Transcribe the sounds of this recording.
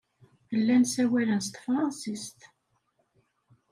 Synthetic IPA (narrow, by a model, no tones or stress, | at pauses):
əlːænsæwælənst̪fɾˤɑnsist̪